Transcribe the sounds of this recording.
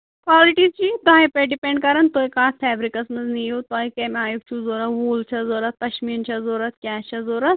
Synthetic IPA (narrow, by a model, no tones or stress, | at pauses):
kwaːliʈizt͡ʃit̪aːipeɖipẽɳɖ̚kɐɾɐnt̪oːikaːt̪pʰɛːbɾikɐsmɐznijoːt̪aːikɐːmaːjuk̚t͡ʃʰũzoːɾɐt̪ʋuːlt͡ʃʰɐzoːɾɐt̪ːɐʃmiːnt͡ʃʰɐzoːɾɐt̪kʲaːt͡ʃʰɐzoːɾɐt̪̚